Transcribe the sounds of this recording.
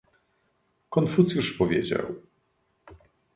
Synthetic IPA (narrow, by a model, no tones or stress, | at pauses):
kɔnfut̪sjuʂpɔvʲjed͡ʑa̰w